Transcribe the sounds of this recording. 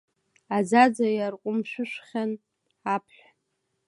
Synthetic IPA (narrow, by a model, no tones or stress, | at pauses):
ad͡zad͡zajarqʷʼʊmʃʷᶣʊʃʷχʲan | apʰħʷᶣa